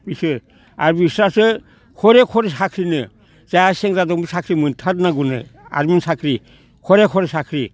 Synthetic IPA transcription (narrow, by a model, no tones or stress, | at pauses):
bisɯɾ | aɾbisɾasɯ | kʰɔɾekʰɔɾesakʰɾinɯ | zajaseŋɾadɔŋbisakʰɾimɯntʰatnaɡunɯ̰a̰ɾminsakʰɾi | kʰɔɾekʰɔɾesakʰɾi